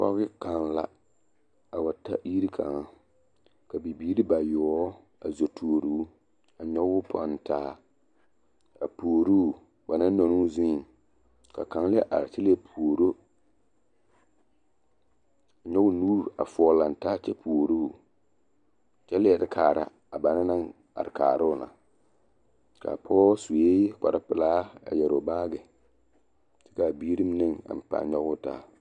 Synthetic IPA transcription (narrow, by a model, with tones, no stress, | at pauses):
pɔ̰˦ɣɪ˦ka˨nla̰˦ | a˨ba˨ta̰˦ji˦ɾi˦kʰa̰˨ŋa˦ | ka˨bi˨biː˦ɾi˦ba˨jɔ˨˦ | a˨zo˨tʰuː˨o˨ɾuː˦ | a˨ɲɔ˦wʊ˦pʰɔ̰˨˦n˨tʰaː˦ | a̰˨pu˨o˨ɾuː˦˨ | ba˨na˦nɔ˨nu˦zĩ˦˨ | ka̰˨ka˨ŋ˦lɪ˦ɛ˦ʔa̰˨ɾɪ˨t͡ʃɛ˦lɛ˦pʰu˨ɾo˦ | a˨ɲɔ˦ɡʊ˦nuː˦ɾa˨fɔ˨la˨n˨taː˦t͡ʃɛ˦pʰu˨o˨ɾu˦˨ | t͡ʃɛ˦lɪ˦ɛ˨dɪ˦kʰaː˨ɾa̰˦ | a˨ba˨na˦na˦ŋ | a̰˨ɾɪ˨ka̰ː˨ɾʊ˦ʊ˨na̰˨ | ka̰˨pʰɔː˦su˨e˦k͡pa̰˨ɾa˦pɪ˨laː˦a̰˨jɛ˨ɾʊ˨baː˦ɡɪ˨ | tɪ̥˦ka˨bi˦ɾi˦m˦nɪ˦ŋa̰˨m˨pa̰˨ɲɔ˦ɣʊ˦ta̰ː˦